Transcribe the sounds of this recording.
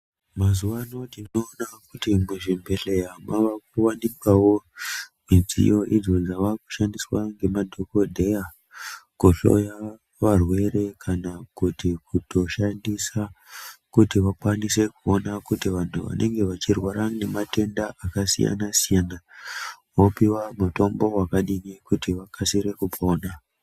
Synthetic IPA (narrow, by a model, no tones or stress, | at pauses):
mazuʋanotinoːnakutimuʐimbe̞ɬe̞ɦamaʋak̚uwanikwawo̞mid͡zḭjo̞ʔid͡zo̞d͡zaʋaku̥ʃandiswaŋɡe̞madʱo̞ko̞dʱe̞ja | kuɬo̞̰ja | ʋarwe̞ɾe̞kʰanakutikuto̞ʃandisakutiʋakwanise̞kuo̞nakutiʋantʰuʋa̰nʔe̞̰ŋɡe̞ʋat͡ʃirwaɾane̞mate̞ndaakasija̰nasijana | ʋopiwamuto̞mbo̞wakaɗinikutiʋakʰasiɾe̞kupo̞ːna